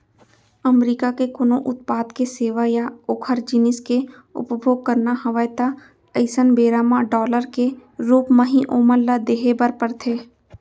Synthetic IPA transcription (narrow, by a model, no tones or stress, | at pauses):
əmɾiːkakekʊnoʔʊt̪̚paːd̪keseːʋajaʊkʰəɾd͡ʒɪnɪske | ʊ̰pbʱoːɡ̚kəɾnaɦɐʋəjt̪a | əɪsənbeːɾaːmãɖɔːləɾkeɾuːpmə̃ɦĩʔoːməɾlad̪eːɦebəɾpəɾt̪ʰeː